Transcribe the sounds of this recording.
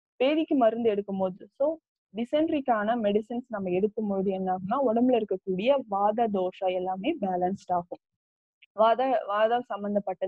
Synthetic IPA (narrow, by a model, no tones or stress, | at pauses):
peːɾɪkːɯmɐɾɯnd̪ɯɛɽɯkːɯmpoːðɯsoː | ɖɪsɛɳɖɾɪkːaːnɐmɛɽɪsɪnsnɐmːɐɛɽɯk̪ːɯmpoːðɯɛnːaːɣɐnːaːɔɽɐmbɪlɪɾɯkːɐkːuːɽɪjɐʋaːðɐd̪oːʂɐɛlːaːmeːbaːlɐnsʈaːɣɯ̃m | ʋaːðɐʋaːðɐsɐmbɐnd̪ɐpːɐʈːɐ